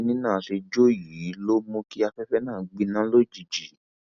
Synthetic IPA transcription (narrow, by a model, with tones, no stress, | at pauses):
nĩ˦nãː˦˨ʃe˧d͡ʒo˦ji˨˦lo˦mõ˧ki˦a˧fɛ˦fɛ˦nãː˦˨˦ɡ͡bi˧nã˦lo˦˨d͡ʒi˨d͡ʒi˨˦